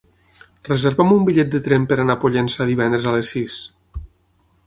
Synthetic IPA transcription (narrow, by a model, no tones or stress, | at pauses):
rəzeɾβamumbiʎɛt̪̚d̪ət̪ɾɛmpəɾanapoʎensaðiβ̞ɛnd̪ɾezalesːis